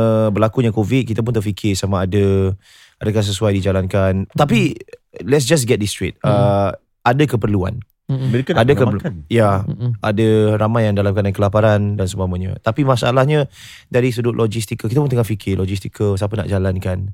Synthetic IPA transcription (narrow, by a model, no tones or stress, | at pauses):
əbəlakuɲakovit̪̚kit̪ap̬ʊnt̪ərfikʰɪsamaːdə | adakans̬əsuajdid͡ʒalankant̪apilɛts̬d͡ʒas̬ɡɛt̪̚dist̪ɾḭt̪̚ə | adəkəpərlua̰n | kadəkəjaʔadəɾamajaŋdalamkanankəlapaɾandansəmamaɲə̰t̪apimasaʔa̰lahɲə | daɾis̬ədʊʔlʔɔd͡ʒist̪ikəkit̪ap̬ʊnt̪əŋahfikʰɪlɔd͡ʒist̪ikʰəsapənaʔd͡ʒalankan